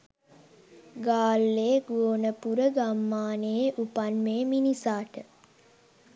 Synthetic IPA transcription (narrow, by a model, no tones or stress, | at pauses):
ɡaːlːeːɡoːnəpuɾəɡamːaːneʔupanmeːminisaːʈə